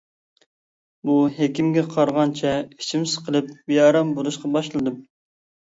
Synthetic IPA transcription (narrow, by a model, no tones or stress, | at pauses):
buɦekʲimɡʲɛqʰɑɾʁɑnt͡ʃʰɛi̥t͡ʃʰimsɨ̥qʰəlˠɨpbijɑɾɑmboɾuʃqɑbɑʃlˠɨd̪ɨm